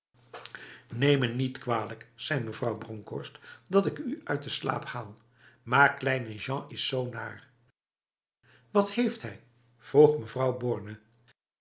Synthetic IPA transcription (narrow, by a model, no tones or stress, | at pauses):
nejmənːitkʋaːləksɛjməvrɑwbrɔŋkɔ̰ɹstdɑtɪkyœɥt̚dəsla̰ːphaːlˠ | maːɹklɛjnəʒɑ̃ɪsːowna̰ːr | ʋɑthejftɦɛj | v̥roχməvrɑwbɔɹnə